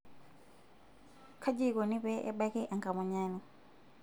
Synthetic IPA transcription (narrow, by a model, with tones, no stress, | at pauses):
kʰa˦d͡ʒi˦kɔ˨ni˦βɛ˦ʔɛ̰˦ɓa˦kɛ˦ʔa˨ŋka˨mɔ˨ɲaː˦ni˨